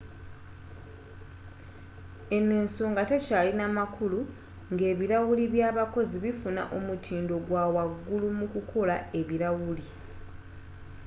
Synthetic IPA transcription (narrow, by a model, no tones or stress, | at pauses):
e̞neːnsoːŋɡate̞caːlinamakulu | ŋɡe̞ːβiɾawuliβjaːβako̞ziβifuna̰ʔo̞mutʰiːndo̞ɡwaːwaɡːulumukukʰo̞lae̞βiɾawuli